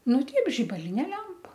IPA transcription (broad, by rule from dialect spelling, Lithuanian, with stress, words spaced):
nʊ ˈtʲɛɪp ʒʲɪbɐˈlʲɪnʲeː ˈlʲɛmpɐ